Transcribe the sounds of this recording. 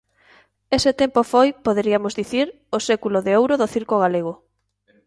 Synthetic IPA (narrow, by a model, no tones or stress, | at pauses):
esɪt̪empofojpoðeɾiamozðiθiɾ | osekuloðeowɾoðoθiɾkoɣ̞aleɣ̞ʊ